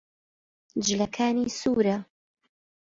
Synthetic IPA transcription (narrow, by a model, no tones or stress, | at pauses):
d͡ʒɪlɐkʰaːniːsuːɾɐ